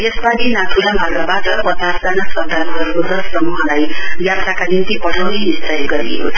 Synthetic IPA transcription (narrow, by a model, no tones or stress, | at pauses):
esbaninaʈʰulamʱʌrɡabat̪ʌpʌt͡sasd͡zanasʌnt̪aɾuɦʌɾuod̪ʌssʌmuɦʌlajjasakanint̪ipʌɽʰawnenist̪ʌjɡʌɾḭɦo̰t͡sʰʌ